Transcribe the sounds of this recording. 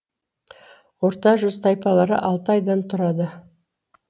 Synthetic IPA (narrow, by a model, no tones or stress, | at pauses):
woɾt̪ɑʒʏzt̪ʰɑjpɑlˠɑɾə̰ʔɑlˠt̪əɑjd̪ɑnt̪ʰʊɾɑd̪ə